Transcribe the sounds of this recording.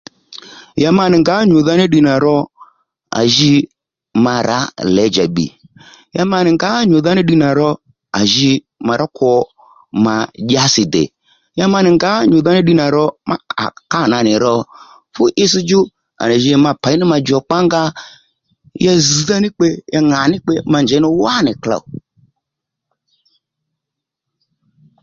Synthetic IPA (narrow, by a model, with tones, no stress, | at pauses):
ja˧ma˧nɪ˨ŋɡa˨˦ɲo˨ða˧ni˦ɗi˧na˨ɾɔ˧ | a̰˨ʒi˧ | ma˧ɾa̰˨˦lɛ˨˦d͡ʒa̰˨ɓḭ˨ | ja˧ma˧nɪ˨ŋɡa˨˦ɲo˨ða˧nɪ˦ɗi˧na˨ɾɔ˧ | a̰˨ʒi˧ | ma˨˧ɾɔ˦kʰɔ˧ | ma˨ʄa˧˦sɪ˨dɛ̰˨ | ja˧ma˧nɪ˨ŋɡa˨˦ɲo˨ða˧ni˦ɗi˧na˨ɾɔ˧ma̰˦a̰˨ka˦˨na˧˨nɪ˨ɾɔ˧ | fʊ˦ʔɪ˦si˦d͡ʒʊ˦ | a̰˨na˨ʒi˧ma˧pa˨˦nɪ˦ma˧d͡ʒɔ˨k͡pa˦ŋɡa˦ | ja˧zi˨ða˦nɪ˦k͡pe˧jʔa˧ŋa˨nɪ˦k͡pe˧ma˧˨nd͡ʒɛ˨˦nɪ˦wa˦˨nɪ˨kla̰˨